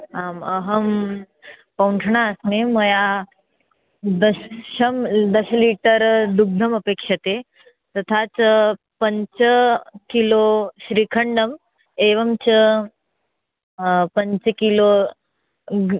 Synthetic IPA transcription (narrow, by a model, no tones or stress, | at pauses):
aməɦəm | pɐwɳʈʰɳasmemɐja | d̪əɕəmd̪əɕəliʈəɾd̪uɡ̚d̪ʱəməpekʂət̪e | t̪ɐt̪ʰat͡s | pəɲt͡ɕəkiloɕɾiːkʰəɳɖəm | eʋəmt͡ɕə | pəɲt͡səkilo